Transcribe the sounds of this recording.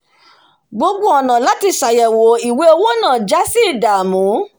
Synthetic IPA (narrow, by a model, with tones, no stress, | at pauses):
ɡ͡bo˧ɡ͡bo˦ɔ˨nã˨la˦ti˧sa˨jɛ˨wo˨˦i˨we˧o˧wo˦nãː˦˨d͡ʒa˦si˦˨da˨mũ˨˦